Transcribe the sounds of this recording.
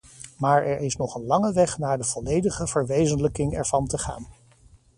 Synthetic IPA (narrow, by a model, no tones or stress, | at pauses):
maːɹɛɹɪsnɔχənlɑŋəʋɛχnaːɹdəv̥ɔlejdəχəv̥əɹʋejzənləkɪŋɛɹvɑntəχa̰ːn